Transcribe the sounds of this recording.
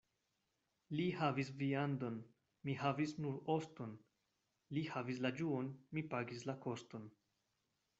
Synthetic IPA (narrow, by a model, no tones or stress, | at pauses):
lihavis̬viando̞n | mihavisnuɾo̞sto̞n | lihavis̬lad͡ʒuonmipaɡis̬lako̞sto̞n